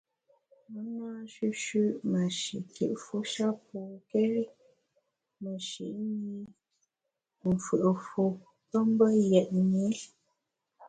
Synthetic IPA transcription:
mə˦naː˦ʃʉ˦ʃʉ˦ʔmə˨ʃḭ˨kʰḭ˨ʔfu˦ʃa˦poː˨kɛ˦ | mə˨ʃḭ˨ʔɲi˦ | m̩˨fʉ˨ʔə˨fu˨ | tɔ˦m˦bə˦jɛ˨ʔɲi˨˦

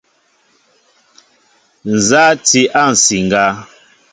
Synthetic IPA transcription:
n̩˨za˦ti˦ʔa˦˨n̩˨si˨ŋ˨ɡa˦

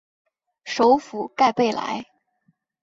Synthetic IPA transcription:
ʂo˧˥ʊfu˨˩ka˥˧ɪpe˥˩ɪla̰˧˥ɪ

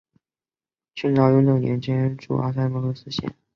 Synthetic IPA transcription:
t͡ɕy˥˩nʈ͡ʂɑ˧˥ʊjo˧˥ljo˨˩njʔɛ̰˧˥nt͡ɕʰɛ˥ə˥nʈ͡ʂṵ˥˩ʔa̰˥sa˥˩pɤ˧˥lo˧˥sɹ̩˥ɕjɛ̰˥˩n

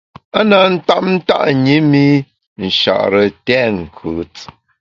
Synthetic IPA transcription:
a˦na˨n̩˦ta˦p̚n̩˦ta̰˦ʔɲi˦mi˦ | n̩˨ʃa̰˨ʔɾə˨tɛ˦ŋ̩˨kʰʉː˨˦t͡s

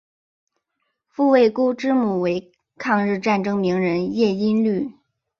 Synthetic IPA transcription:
fu˥˧we˥˩ɪku˥ʈ͡ʂɻ̩˥mu˨˩we˧˥ɪ | kʰɑ˥˧ŋɻɻ̩˥˧ʈ͡ʂa˥˩nʈ͡ʂɤ˥ŋmi˧˥ŋɻə˧˥njɛ˥˩i˥nly˥˩

